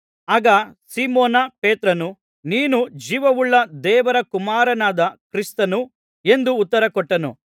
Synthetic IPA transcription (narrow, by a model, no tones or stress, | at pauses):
aːɡɐsiːmoːnɐpeːt̪ɾɐnu | niːnud͡ʒiːʋɐʋuɭːɐd̪ɛːʋɐɾɐkumaːɾɐnaːd̪ɐkɾist̪ɐnu | e̞nd̪uːt̪ːɐɾɐkɔʈːɐnṵ